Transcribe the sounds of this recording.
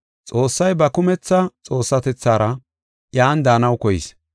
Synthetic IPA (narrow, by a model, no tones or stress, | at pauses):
t͡sʼo̞ːsːɐjbɐkʊmɛt͡sːɐt͡sʼo̞ːsːɐt̪ɛt͡sːaːɾɐ | jaːnd̪aːnɐwkɔjɪ̰s